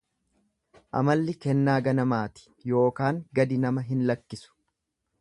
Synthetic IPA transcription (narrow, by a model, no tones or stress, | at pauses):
ʔɐ̰mɐlːɪkɛnːaːɡɐnɐmaːt̪ɪ̥ | jo̞ːkaːŋɡɐd̪ɪnɐmɐɦɪnlɐkːɪsʊ̥